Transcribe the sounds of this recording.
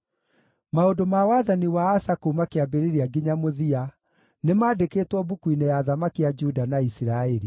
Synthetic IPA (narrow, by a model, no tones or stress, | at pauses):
maondomawaðaniwaːsakoumakeabeɾeɾiaɡiɲamoðia | nemaːdekeːtwɔbukuinejaðamakiad͡ʒudanaisiɾaeɾi